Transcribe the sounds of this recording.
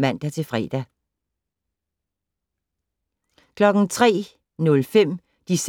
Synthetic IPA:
mæn̰d̥æt͡sʰe̝fʁɛ̰ːd̥æ | kʰlɒ̽ɡ̥n̩t͡sʰʁɛ̰ː | nɔ̽lfem̰ | d̥is

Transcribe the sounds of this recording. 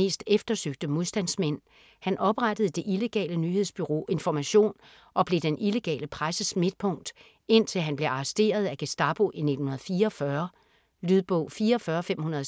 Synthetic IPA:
e̝̰ːsd̥efd̥ɐsøɡ̥̚d̥əmo̝ðˠsd̥æn̰smen̰ | hænʔɒ̽b̥ʁad̥əð̩ˠəd̥e̝ʔile̝ɡ̥ɛ̰ːlənyhe̝ð̞̰ˠsb̥yʁo̝̰ːe̝nfɒmæɕo̝̰ːn | ʔɒ̽b̥le̝d̥enʔile̝ɡ̥ɛ̰ːləpʰʁasəsme̝d̥̚pʰɔ̽ŋ̰d̥ | e̝n̰t͡sʰe̝lɦænb̥le̝ʔɑ̈sd̥e̝̰ːɐð̞̩ˠæɡ̥esd̥ɑ̈b̥o̝ʔine̝dn̩hunɐð̩ˠfiːɐɒfɶɐ | lyðˠb̥ɔ̽ʊ̰fiːɐːfɶːɐfem̰hunɐðˠ

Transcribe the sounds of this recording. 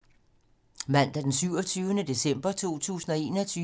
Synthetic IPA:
mæn̰d̥æd̥ensyʊ̰ɒt͡sʰyːʊənəd̥e̝sem̰b̥ɐt͡sʰo̝̰ːt͡sʰṵːsn̩ɒ̽e̝ːnɒt͡sʰyː

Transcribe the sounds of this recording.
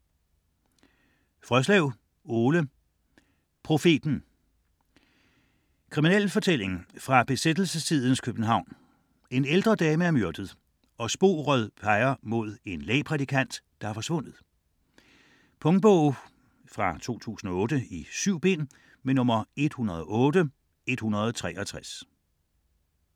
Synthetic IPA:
fʁœslɛʊ̰ | o̝ːlə | pʰʁo̝fe̝̰ːd̥n̩ | kʰʁiminel̰fɒ̽t͡sʰel̰e̝ŋfʁɑ̈b̥e̝sed̥l̩səsːʰið̞ˠn̩skʰøb̥n̩ɦɑ̈ʊ̰n | e̝neld̥ʁɐd̥ɛːməæɐmøɐd̥əð̞̩ˠ | ɒ̽sb̥o̝̰ːʁœðˠpʰɑ̈ɪɐmo̝ð̞̰ˠe̝nlɛːpʰʁɛd̥ikʰæn̰d̥d̥ɑ̈fɒ̽sʋɔ̽n̰ð̩ˠ | pʰɔ̽ŋ̚b̥ɔʊ | fʁɑ̈t͡sʰo̝̰ːt͡sʰṵːsn̩ɒ̽ɔ̽ːd̥əisyʊ̰b̥e̝̰ːn | menɔ̽mɐe̝d̥hunɐð̞̩ˠɒ̽ʔɔ̽ːdə | e̝d̥hunɐð̞ˠɒt͡sʰʁɛ̰ːɒt͡sʰʁas

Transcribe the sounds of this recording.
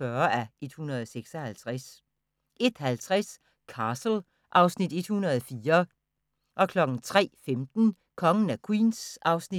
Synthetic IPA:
ɶːɐæʔe̝d̥hunɐð̞̩ˠɒseɡ̥sɒ̽hælt͡sʰʁas | e̝d̥hælt͡sʰʁas | kʰɑ̈sl̩ | ʔɑ̈ʊsnid̥e̝d̥hunɐð̞ˠɒfiːɐ | ʔɒ̽kʰlɒ̽ɡ̥n̩t͡sʰʁɛ̰ːfemd̥n̩ | kʰɒ̽ŋən̩ækʰwḭːnsʔɑ̈ʊsni

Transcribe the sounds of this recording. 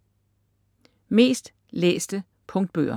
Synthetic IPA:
me̝̰ːsd̥ | lḛːsd̥ə | pʰɔ̽ŋd̥̚b̥ø̰ːɐ

